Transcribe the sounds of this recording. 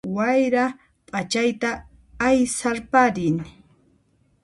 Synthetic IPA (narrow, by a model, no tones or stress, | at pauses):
wajɾa | pʼat͡ʃajt̪aː | jsaɾpaɾɪŋ